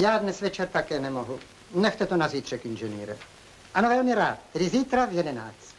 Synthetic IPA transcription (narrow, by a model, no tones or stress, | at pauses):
jaːdnɛsvɛt͡ʃɛrt̪akɛːnɛmoɦu | nɛxt̪ɛt̪onaziːt̪r̥ɛkinʒɛniːɾɛ̰ | ʔanovɛlmɪɾaːt̪̚t̪ːɛdɪziːt̪ɾavjɛdɛna̰ːt͡st̪